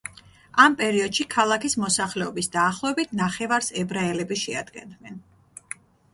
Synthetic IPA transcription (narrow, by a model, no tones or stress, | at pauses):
ampʼɛɾiɔd̪̥ʃikʰalˠakismɔsaχlɛɔbisd̪aːχlˠɔɛbit̪ʰnaχɛvaɾsɛbɾaɛlɛbiʃɛa̰d̪̥ɡɛ̰nd̪nɛn